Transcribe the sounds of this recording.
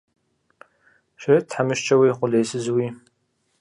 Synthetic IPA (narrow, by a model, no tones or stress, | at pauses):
ʃɪtʰħamɨʃt͡ʃʼɐwiqʷʊlejsɨzwiː